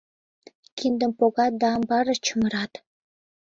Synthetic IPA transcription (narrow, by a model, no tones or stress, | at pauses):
kind̪ə̆mpoɣɑd̪ɑːmbɑɾɤ̆t͡ɕəmə̆ɾɑt̪